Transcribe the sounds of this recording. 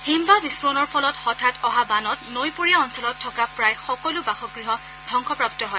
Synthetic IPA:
himbabispɹonɔɹpʰɔlɔtxɔtʰatɔɦabanɔtnojpoɹijaɔnsɔlɔtʰːɔkapɹajxɔkɔlubaxɔɡɹiɦɔ | dʱɔŋkʰɔpɹaptɔɦɔj

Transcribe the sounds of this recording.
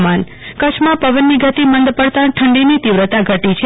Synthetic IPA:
man | kət͡ʃʰmãpəʋənːiɡʱət̪imənd̪pəɽt̪ãʈʰəɳɖinit̪iʋɾət̪aɡʱəʈit͡ʃʰe

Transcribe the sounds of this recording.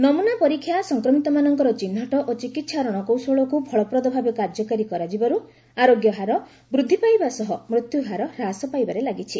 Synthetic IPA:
nɔmunapɔɾikʰːjasɔŋkɾɔmit̪ɔmanɔŋkɔɾɔt͡ʃinːaʈɔʔot͡ʃikit̪ːʃʰaɾɔɽ̃ɔkowsoɭɔkubʱɔɭɔpɾɔd̪ɔbʱabekaɾd͡ʒɔkaɾikɔɾad͡ʒibaɾu | aɾoɡjɔɦaɾɔ | bɾud̪ʱːipajbasɔɦɔmɾut̪juɦaɾɔɾasɔpajbaɾelaɡit͡ʃʰi

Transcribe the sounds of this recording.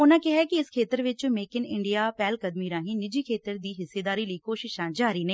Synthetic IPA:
ʊnãːkɪɦɛːkɪɪskʰeːt̪əɾʋɪt͡ʃmeːkɪnɪɳɖijaːpɛːlkəd̪miːɾãːɦĩːnɪd͡ʒiːkʰeːt̪əɾd̪iːɦɪsːeːd̪aːɾiːləiːkoːʃɪʃãːd͡ʒaːɾiːnə̃

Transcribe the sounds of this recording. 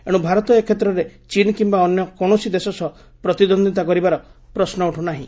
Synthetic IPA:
ḛɽũbʱaɾɔt̪ɔekʰːet̪ɾɔɾet͡ʃinkimbaɔnjɔkɔɽ̃osid̪esɔsɔ | pɾɔt̪id̪ɔnd̪ʱit̪akɔɾibaɾɔ | pɾɔsnɔuʈʰunaɦḭ̃

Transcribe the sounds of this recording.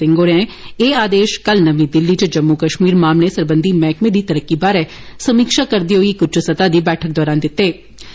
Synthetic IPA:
ɪ̃ŋɡoːɾɛ̃eːaːd̪eːʃkɐlnɐʋĩd̪ɪlːit͡ʃd͡ʒɐmːukɐʃmiːɾmaːmlesɐɾbə̃nd̪ʱimɛ̃ːkmẽd̪it̪ɐɾəkːibaːɾɛ | sɐmiːkʃakɐɾd̪iɦoikʊt͡ʃʰsɐt̪ad̪ibɛːʈʰək̚d̪ɔːɾaːnd̪ɪt̪ːeː

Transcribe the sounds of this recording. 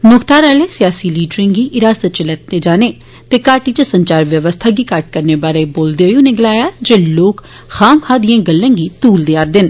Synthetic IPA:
nʊkt̪aːɾaːleːsijaːsiliːɖɾẽːɡiːʔɪɾaːsət͡ʃələt̪ːeːd͡ʒaːneː | t̪eːkaːʈiːt͡ʃəsəɲt͡ʃaːɾʋjəʋəst̪ʰaːɡiːkaʈ̚kəɾneːbaːɾeːboːld̪eojũːneɡlaːjaːd͡ʒeːloːk | xaːmkʰaːd̪ijãːɡəlːẽːɡiːt̪uːld̪eaːɾd̪ɪn

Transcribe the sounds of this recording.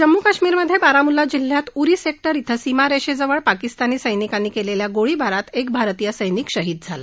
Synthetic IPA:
d͡ʑəmːukaɕmiːɾməd̪ʱːjebaɾamulad͡ʑil̤ːjat̪uɾiːsek̚ʈəɾit̪ʰəsimaɾeɕed͡zəʋəɭpakist̪aniːsəjnikanːiːkeleljaɡoɭibaɾat̪ek̚bʱaɾt̪ijəsəjniːkɕəɦid̪̚d͡zʱala̰

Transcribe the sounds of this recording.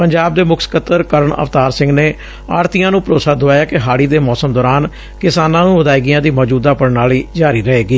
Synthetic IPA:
pəɲd͡ʒaːb̚d̪eːmʊkʰsə̥kət̪əɾkəɾəɳə̰ʋt̪aːɾsɪ̃ŋɡneː | a̰ːɽt̪ijãːnũːpəɾoːsaːd̪ʊaːjaːkɪɦaːɽiːd̪eːmɔːsəmd̪ɔːɾaːn | kɪsaːnãːnũːʋəd̪aːiɡijãːd̪iːmɔːd͡ʒuːd̪aːpəɽnaːliːd͡ʒaːɾiːɾəɦeːɡiː

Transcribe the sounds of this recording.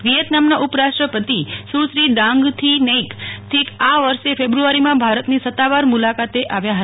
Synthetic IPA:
ʋijət̪namnaʔupəɾaʂʈɾəpət̪isusɾid̪ãŋɡt̪ʰinejkt̪ʰikaʋəɾʃefebɾuaɾimãbʱaɾət̪nisət̪ːaʋaɾmulakat̪eʔaʋjaɦə

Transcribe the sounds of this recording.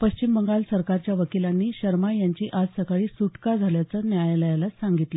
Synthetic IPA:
pəɕt͡ɕimbəŋɡalsəɾkaɾt͡ɕjaʋəkilanːiːɕəɾmajaɲt͡ɕiːʔad͡zsəkaɭiːsuʈkad͡zʱaljat͡səːnjajləjalasaŋɡit̪lə

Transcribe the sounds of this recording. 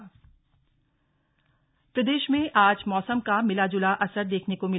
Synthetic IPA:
pɾɐd̪eːʃmẽʔaːd͡ʒmɔːsəmkamɪlaːd͡ʒʊlaʔɐsəɾd̪eːkʰnekomɪl

